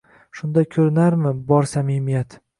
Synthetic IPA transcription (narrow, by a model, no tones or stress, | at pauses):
ʃʊnd̪akʲʰɵɾɪnaɾmɪbɒɾsamimijat̪